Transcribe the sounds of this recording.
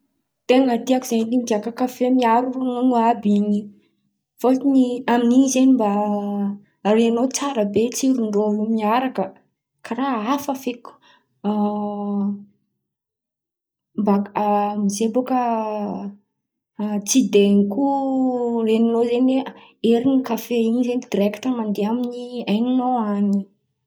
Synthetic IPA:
t̪eŋat̪iakuzennimpiakakafemiaɾunonuabiɲi | foliniaminiizenimba | reanot͡saɾəbet͡siɾuɳɖ͡ʐoumiaɾakə | kʰaɾaafafeku̥ | mbaɡamizebokə | t͡sid̪eŋiku | reninozene | eɾinikafeinizenid̪iɾɛki̥ʈ͡ʂəmand̪eaminiajninoani

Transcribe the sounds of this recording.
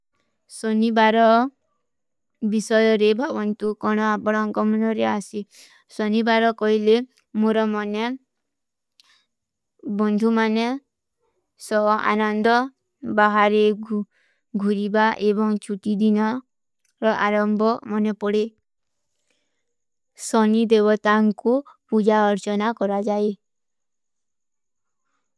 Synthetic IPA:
sɔnibaɾɔ | bisɔjɔɾebʱɔbɔnt̪ukɔɽ̃ɔapɔɽ̃ɔɔŋkɔmɔnɔɾeasi | sɔnibaɾɔkɔɦile | moɾɔmɔne | bɔnd̪ʱumane | sɔa̰nɔnd̪ʱɔ | baɦaɾe | ɡʱuɾibaʔebɔŋt͡ʃʰuʈid̪inɔ | ɾɔʔaɾɔmbʱɔmɔnepɔɽe | sɔnid̪ebɔt̪aŋkupud͡ʒaɔɾt͡ʃɔnakɔɾad͡ʒae

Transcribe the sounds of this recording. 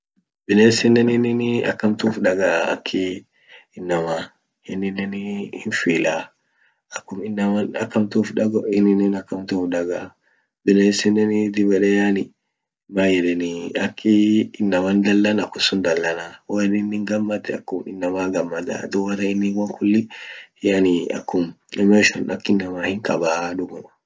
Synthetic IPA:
bɪneːsɪnːɛnɪnɪnɐ̰kːɐmt̪uːfᶑɐɡɐʔaɐ̰kʰːɪ | ɪnːɐmaː | hɪnːɪnːɛnhɪnfiːlaː | ɐkːʊmɪnːɐmɐnɐ̰kːɐmt̪uːfᶑɐɡɔɪnːɪnːɪnɐkːɐmt̪uːfᶑɐɡɐ | bɪneːsɪnːɛnɪd̪ɪbɛᶑɛjaːnɪ | maːjɛdɛniɐkʰːɪːnːɐmand̪ɐlːɐnɐkːʊsʊnd̪ɐlːɐnaːwɔɪnɪnːɪŋɡɐmːɐt̪ːɛɐkːʊmɪ̰nːɐmaːɡɐmːɐt̪a̰d̪ʊwɐt̪ɐɪnːɪŋwɐŋkʰʊlːɪhjɐniɐ̰kːʊm | nɛmɔʃɐnʔɐkːɪnːɐmaːhɪŋkʼɐ̰baːᶑʊɡɔ

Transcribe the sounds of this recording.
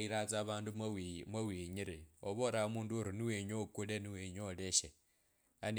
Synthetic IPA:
iɾat͡saːβaːndumwawiːɲiɾioβoɾaomuːnduoɾiniweɲokuleniweɲoleʃe | an

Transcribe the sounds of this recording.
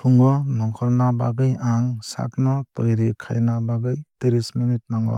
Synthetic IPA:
pʰuŋɡɔnɔŋkʰɔɾnabaɡɯjaŋsa̰k̚nɔtɔjɾikʰa̰jnabaɡɯjteɾisminit̚maŋɔ̰

